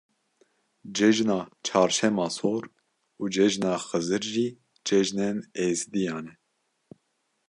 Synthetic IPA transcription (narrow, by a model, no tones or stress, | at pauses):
d͡ʒɛʒnɑːt͡ʃʰɑːɾʃɛmɑːsoːɾ | uːd͡ʒɛʒnɑːxɨzɨɾʒiː | d͡ʒɛʒnɛneːzd̪ijɑːnɛ